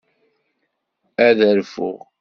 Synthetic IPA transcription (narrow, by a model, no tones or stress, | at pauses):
æðəɾfʊ̰ʁ